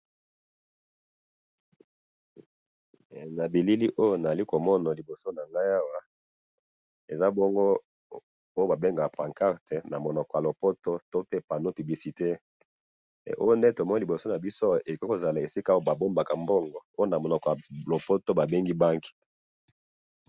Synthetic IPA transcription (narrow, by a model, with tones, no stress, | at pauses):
na˨bi˨li˦li˦ʔo˦jo˦na˨za˨li˦ko˨mɔ˦na˨li˨bo˨so˦na˨ŋɡa˦ja˦wa˦ | e˨za˦bɔ˦ŋɡo˦ | o˦jo˦ba˨be˦ŋɡa˨pa˨ŋka˦ʁte˨na˨mo˨nɔ˨kɔ˨ja˨lo˨po˦to˦to˦pe˦pa˨no˦py˨bli˨si˨te˦˨ | ʔo̰˦jo˦nde˦to˨mɔ˦n˦li˨bo˨so˦na˨bi˦so˦e˨ko˦ko˨za˨la˨e˨si˦ka˦o˦ba˨bo˦mba˨ka˨mbo˦ŋɡɔ˨o˦o˦na˨mo˨nɔ˨kɔ˨a˨lo˨po˦to˦ba˨be˦ŋɡi˦ba˦ŋki̥˨